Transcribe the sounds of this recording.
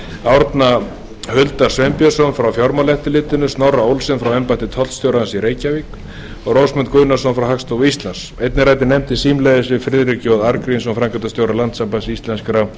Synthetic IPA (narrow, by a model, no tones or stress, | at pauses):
awɾt̪na | hʏlt̪ḁsvɛmpjasɔnfɾawfjɔɾmalɛht̪ɪlɪːt̪ɪnʏst̪nawraowlsɪnfɾawɛmpajt̪ɪt̪ʰɔl̥t̪st̪jowɾaansiɾeːjcavik | ɔɣrowsmɛnt̪kʏɥnasɔnfɾawɦakst̪ovist̪lansejt̪nɪɾaːjt̪ɪnɛmt̪ɪsiːmlɛjðɪsɪfɾɪðɾɪcɔðaɾkɾinsɔfɾaŋkœt̪ast̪jowɾalant̪sampasist̪lɛnskɾa